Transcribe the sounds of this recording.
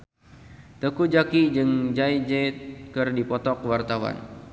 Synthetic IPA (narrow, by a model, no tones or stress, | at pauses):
t̪əkud͡ʒakid͡ʒɨŋd͡ʒajd͡ʒɛt̪̚kɨrdipɔt̪ɔkwart̪awa̰n